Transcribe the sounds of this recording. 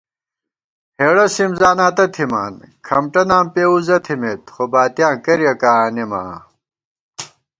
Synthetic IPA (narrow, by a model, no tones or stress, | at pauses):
heːɽɐsimzaːnaːt̪ɐt̪ʰima̰ːnkʰɐmʈɐnaːmpeːuzɐt̪ʰimet̪χobaːt̪jãːkɐɾjɐkaːnima̰ː